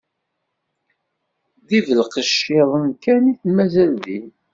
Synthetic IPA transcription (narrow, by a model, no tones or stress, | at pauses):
ðivəlqəʃːɪðˤəmkæniθmæzælði